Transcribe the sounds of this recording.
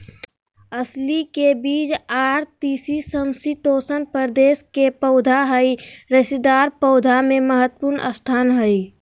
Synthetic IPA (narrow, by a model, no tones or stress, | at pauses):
əslikebiːd͡ʒaːɾt̪iːsisəmsit̪oːsənpəɾd̪eːskepəʊd̪ʱaɦəiɾəsid̪aːɾpəʊd̪ʱamẽməɦət̪ːəpuɾnʔə̰st̪ʰaːnɦəi